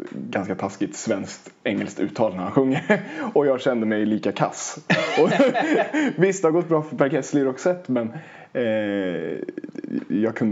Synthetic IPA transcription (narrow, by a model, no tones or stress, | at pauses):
ɡanskat̪ʰaskɪt̪svɛnskt̪ɛŋːɛlst̪ʉ̰ːt̪ʰːɑːlnæɾhanɧɵŋːəɔjɑːɡɕɛnd̪əmɛjliːkakʰa̰sɔ | vɪst̪ahaɾɡɔt̪̚bɾɑːfœpʰæɾkʰɛslɪɾɔksɛt̪ːmɛn | jɑːɡ̚kʰɵn